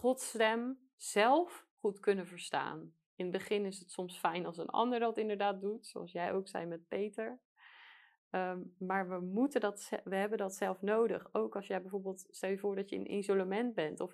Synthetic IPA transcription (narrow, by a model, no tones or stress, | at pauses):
χɔtstɛm | z̥ɛlˠf | χutkɵnəvəɹsta̰ːn | ɪnbəχɪnɪsətsɔmsfɛjnɑlˠs̬ə̰nɑ̰ndəɹdɑtɪndəɹdaːt̚dutso̰ɑ̰lˠsjɛjowksɛ̰jmɛt̚pejtəɹ | əmaːɹʋəmutəndɑtsɛʋəɦɛbəndɑtsɛlˠfnowdə̰χowkɑsjəjbɛjvoːɹbeːlˠtstɛlˠjəvʊːɹdɑtjəə̰nʔɪ̰nzolamɛnt̚bɛntɔf